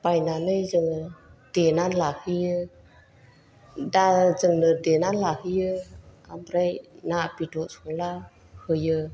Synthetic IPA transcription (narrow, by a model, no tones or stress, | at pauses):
pajnanɯjzɯŋɯd̥enanlahɯjɯ | dazɯŋnɯdenanlahɯjɯamɾajnapidɔsɔŋla | hɯjɯ